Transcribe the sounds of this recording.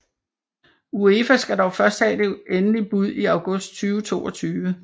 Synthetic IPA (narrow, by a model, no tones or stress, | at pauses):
ueːfæsɡ̥æd̥ɒʊfɶɐsd̥hɛ̰ːd̥eʔenəlib̥uð̞̰ˠiɑ̈ʊɡ̥ɔ̽sd̥̚t͡sʰyːʊət͡sʰo̝̰ːɒ̽t͡sʰyːʋə